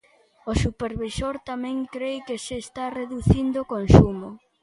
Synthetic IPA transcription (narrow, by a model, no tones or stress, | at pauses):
osupeɾβisoɾt̪amɛ̃ŋkɾejkeseːst̪areðuθind̪okonsumʊ